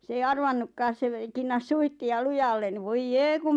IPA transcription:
s ei ɑrʋɑnːukːɑːs se ʋe kinːɑs suihtiɑ lujɑlːen ni ʋoij jeː kum

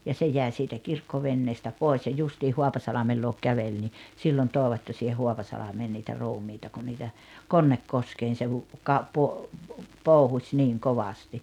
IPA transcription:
jɑ se jæˑi siːtæ kirkːoʋenːeːstæ poˑes jɑ justiːh hoɑpɑsɑlɑmel luok kæʋel ni silːon toːĕʋɑt jɑ siːheh hoɑpɑsɑlɑmeː niːtæ ruːmiːtɑ ku niːtæ konːekːoskeːn̞ se hu kɑ po poˑuhusʲ niŋ koʋɑsti

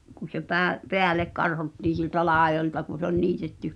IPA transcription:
ku se pæː peælek kɑrhotːiːn̞ sieltæ lɑˑejoltɑ kun̞̆ se ol niːtetːy

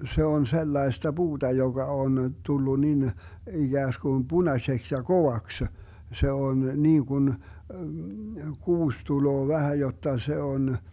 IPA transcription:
se on selːɑestɑ b̥uːd̥ɑ joɡ̊ɑ on tulːu nin iɡ̊æːskun b̥unɑseks jɑ koʋɑksə se on niːɡ̊un kuːs tuloː ʋæhæ jotːɑ se on

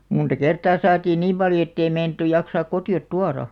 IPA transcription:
muntɑ kertɑː sɑːtiːn niːm pɑljo etːei meinɑ̆tːuj jɑksɑːk kotiot tuɑrɑ

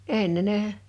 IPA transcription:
enːe ne

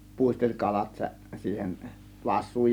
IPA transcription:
puˑistelʲ kɑlɑt sæ siːhen ʋɑsˑuːj

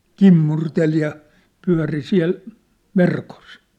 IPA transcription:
kimːurtel jɑ pyæ̝ri siæ̝l ʋerkos

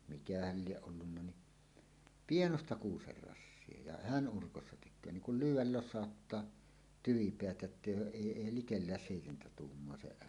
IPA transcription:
mikæhæl lieʔ ʔolːunːɑ ni pienostɑ kuːser rɑsːie jɑ hæn ʔurkosːɑ tekˑøː niŋ kul lyːwˑæl losˑɑˑotːɑː tyʋipeæt jotːeˑij oːʔ ʔeˑi eˑi likelːæːs seˑitentæ tuːmːoɑ se

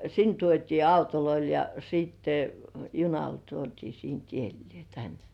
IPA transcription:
sin tuotʲiː ɑutoloil jɑ siˑtːe junɑl tuotʲiː siːnt ielːĭeˑ jɑ tæn

